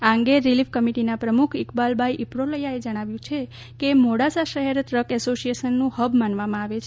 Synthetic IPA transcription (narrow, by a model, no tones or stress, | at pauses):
aəŋɡeɾiliʋkəmiʈinapɾəmukʰɪkbalbʱajʔipɽoləjaed͡ʒəɽ̃aʋjũt͡ʃʰe | kemoɽasaʃəɦeɾt̪ɾəkɛsosijeʃənːũhəbmanʋamãaʋet͡ʃʰe